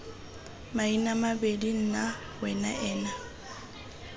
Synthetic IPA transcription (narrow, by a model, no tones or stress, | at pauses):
mainamabedin̩na | wɛna̰ʔɛːna